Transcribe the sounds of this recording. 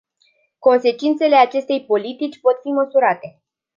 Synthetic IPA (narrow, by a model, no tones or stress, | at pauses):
ko̞nse̞t͡ʃint̪se̞le̞at͡ʃe̞st̪e̞jpo̞lit̪it͡ʃʲpo̞t̪fiməsuɾat̪e̞